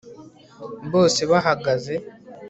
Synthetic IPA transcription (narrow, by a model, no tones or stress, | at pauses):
βo̞ːseβaɦaɡaze̞